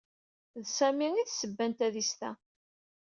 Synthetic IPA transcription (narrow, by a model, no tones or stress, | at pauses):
ðsæmiiθsəbːænt̪æðist̪æ̰